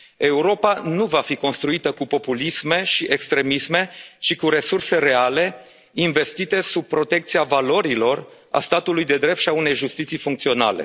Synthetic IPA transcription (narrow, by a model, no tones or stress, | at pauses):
e̞uɾo̞panuvafiko̞nst̪ɾuit̪əkupo̞pulisme̞ʃiʔekst̪ɾe̞misme̞t͡ʃikuɾe̞surse̞ɾe̞ale̞ | inve̞st̪it̪e̞sub̚pɾo̞t̪e̞k̚t̪siavalo̞ɾilo̞r | a̰st̪at̪ulujd̪e̞d̪ɾe̞p̚t̪ʃiaune̞jʒust̪it̪sijfuŋkt̪sio̞na̰le̞̰